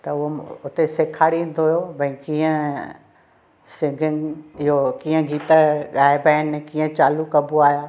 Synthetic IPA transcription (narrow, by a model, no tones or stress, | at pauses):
t̪ɐʊɦoʊt̪eseːkʰaːɽiĩn̆d̪oːɦijobʱɐ̃ĩkĩːə̃ | sɪ̃ŋɡʱɪŋɪɦokĩːə̃ɡiːt̪əɠaːɪbɛːɪnkĩːə̃t͡ɕaːlukɐbuaːɦijaː